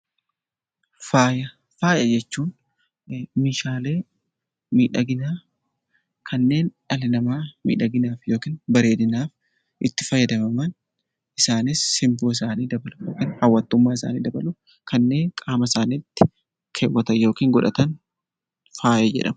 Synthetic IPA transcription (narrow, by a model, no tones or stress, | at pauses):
faːjɐ | faːjɐd͡ʒɛt͡ʃːuːn | miːʃaːle̞ː | miːᶑɐɡɪnaː | kʰɐnːe̞ːnᶑɐlɪnɐmaːmḭːᶑɐɡɪnaːfjo̞ːkiːnbɐɾe̞ːd̪ɪnaːf | ʔɪt̪ːɪ̥fɐjːɐd̪ɐmɐmɐn | ʔɪsaːnɪsːɪmboːɪs̬aːniːd̪ɐbɐlʊjoːkɪnhɐwːɐt̪ːʊmːaːɪsa̰ːnḭːd̪ɐbɐlʊ | kɐnːe̞ːŋkʼaːmɐsaːniːt̪ːɪ̥ | kʰeːwːɐt̪ɐjo̞ːkiːŋɡɔᶑɐt̪ɐn | faːjɐd͡ʒɛ̰ᶑɐ̰mɐ